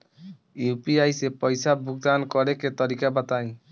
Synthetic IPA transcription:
jupiajsepɔjsabʱuk̚d̪ankɔɾeket̪ɔɾikabat̪aj̃

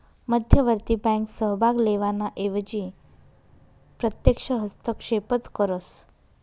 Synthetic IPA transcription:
məd̪ʱjəʋəɾt̪ibɛ̃ŋksəɦbʱaɡleʋanaʔeʋd͡ʑi | pɾət̪jəkʂəɦəst̪əkʂepət͡skəɾəs

